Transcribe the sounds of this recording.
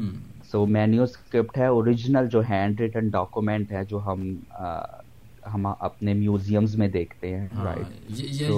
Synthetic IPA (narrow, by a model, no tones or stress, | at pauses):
soːmɛːnijuskɾɪp̚ʈɦɛɔːɾɪd͡ʒnəld͡ʒoːɦɛ̃ːɳɖɾɪʈə̃ɳɖɔːkjumɛ̃ɳʈɦɛd͡ʒoːɦɐm | ɦɐmɐ̰pnemjuːzijəmzmẽd̪eːkʰt̪eɦɛ̃ːɾa̰ɪʈsoː